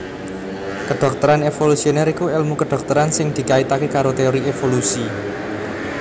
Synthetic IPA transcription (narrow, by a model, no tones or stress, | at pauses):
kəɖ̪̥ɔ̤k̚t̪əɾanefolusioneɾikuɛlmukəɖ̪̥ɔ̤k̚t̪əɾansɪŋd̪̥i̤kait̪akekaɾot̪eoɾiefolusi